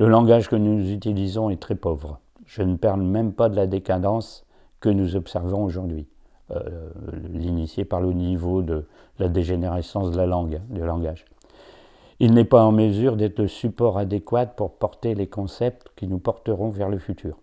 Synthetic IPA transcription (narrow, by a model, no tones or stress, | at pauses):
ləlɑ̃ɡaʒkənuzyt̪ilizɔ̃ɛt̪χɛpɔvʁ | ʒ̥ənəpaʁlmɛmpad̪əlad̪ekad̪ɑ̃s | kənuzɔpsɛʁvɔ̃oʒuʁd̪ɥḭ | linisjepaʁlənivod̪ə | lad̪eʒeneʁesɑ̃sd̪əlalɑ̃ɡd̪ylɑ̃ɡaʒ | ilnɛpaɑ̃məzyʁd̪ɛt̪ləsypɔʁad̪ekwat̪̚puʁpɔʁt̪elekɔ̃sɛp̚t̪kʲinupɔʁt̪əʁɔ̃vɛʁləfyt̪ʰyːʁ